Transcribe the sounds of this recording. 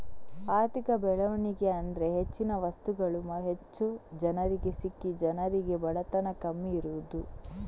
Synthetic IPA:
aːɾt̪ikɐbɛɭɐʋɐniɡe̞ɐnd̪ɾe̞ɦet͡ʃːinɐʋɐst̪uɡɐɭumɐɦet͡ʃːud͡ʒɐnɐɾiɡe̞sikːid͡ʒɐnɐɾiɡe̞bɐɽɐt̪ɐnɐkɐmːiːɾuʋud̪u

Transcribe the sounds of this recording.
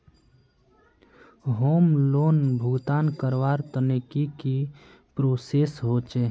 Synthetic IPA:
ɦomlonbʱuɡt̪ankəɾʋaɾt̪ənikiki | pɾoːsesɦot͡ʃe

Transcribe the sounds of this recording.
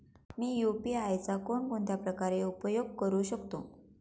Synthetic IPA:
miːjupiajt͡sakoɳpoɳt̪japɾəkaɾeupəjoɡ̚kəɾuːɕəkt̪o̰

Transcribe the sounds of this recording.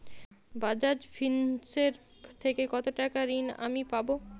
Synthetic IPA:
bad͡ʑad͡ʑfʰinseɾt̪ʰekekɔt̪oʈakaɾina̰mipabo

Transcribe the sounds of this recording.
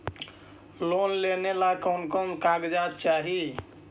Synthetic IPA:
lonlenelakənkəmkaɡd͡ʒat̪t͡ʃaɦi

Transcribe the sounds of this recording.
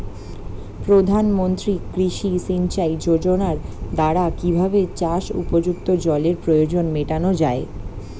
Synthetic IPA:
pɾod̪ʱanmont̪ɾikɾiʃisint͡ɕajd͡ʑod͡ʑonaɾd̪aɽakibʱabet͡ɕaʃṵpod͡ʑukt̪od͡ʑɔleɾpɾojod͡ʑonmeʈanod͡ʑae

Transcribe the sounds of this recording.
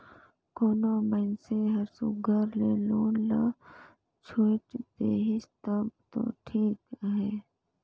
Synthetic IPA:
koːnomənseɦəɾsṵɡʱəɾleːloːnla | t͡ʃʰoːt͡ʃd̪eːɦɪst̪əbt̪o̰ːʈʰiːkɦɛː

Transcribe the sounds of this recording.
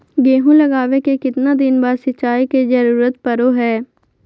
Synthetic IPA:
ɡeːɦũlɐɡaːʋekekɪt̪nad̪ɪnbaːɾsɪt͡ʃaːikezɐɾuːɾət̪̚pɐɾoɦɛː

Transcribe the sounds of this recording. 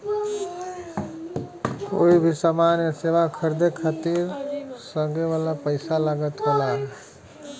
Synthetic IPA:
o̰ibʱisamanjəseʋakʰəɾd̪ekʰat̪iɾsəɡeʋalapəɪsaləɡət̪kela

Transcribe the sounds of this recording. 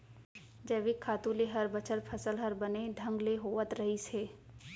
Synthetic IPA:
d͡ʒəːʋikʰːaːt̪ũleɦəɾbət͡ʃəɾpʰəsəlɦɐɾbɐned̪ʱɐ̃ŋɡleɦoːʋət̪ɾɐɦiseː

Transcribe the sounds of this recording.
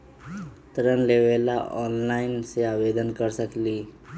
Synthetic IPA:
t̪ɾənleːʋeːlaʔɔːnlaːɪnseaːʋeːd̪ənkəɾsəkliː

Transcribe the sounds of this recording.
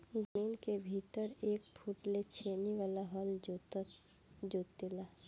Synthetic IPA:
d͡ʒəmiːnkebʱit̪əɾeːk̚pʰuʈlet͡ʃʰeːniʋaːlaɦɔld͡ʒ | d͡ʒoːt̪ːɪlaː

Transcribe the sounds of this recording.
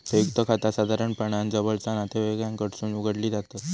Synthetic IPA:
pekt̪əkʰat̪asad̪ʱaɾəɳpəɳjãnd͡zəbəlt͡sanat̪eʋeɡɭjaŋkəɽsuːnuɡəɽliːd͡zat̪ə

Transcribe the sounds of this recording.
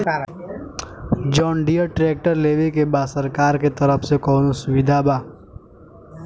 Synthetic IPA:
d͡ʒɔːɳɖijəʈɾeːk̚ʈəɾleːʋikebaːsəɾkaːɾket̪ɐɾəfsekɔːnosʊʋɪd̪ʱabaː

